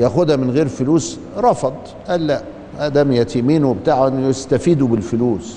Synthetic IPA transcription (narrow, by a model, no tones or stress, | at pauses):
jæxuːd̪æmɪnɣeːɾfʊluːs | ɾˤɑfɑd̪ˤ | ʔæːlːæʔ | ʔæd̪æmjæt̪imiːnʊbɪt̪aːʕnjɪst̪æfiːd̪ubɪlfʊluːs